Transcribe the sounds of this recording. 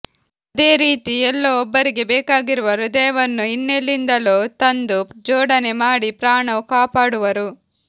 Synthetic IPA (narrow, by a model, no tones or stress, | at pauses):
ɐd̪e̞ːɾiːt̪iɛlːoɔbːɐɾiɡe̞bɛːkaːɡiɾuʋɐɾud̪ɛːʋɐnːuinːelːind̪ɐloːt̪ɐnd̪ud͡ʒɔːɽɐne̞maːɽipɾaːɳɐkaːpaːɽuʋɐɾu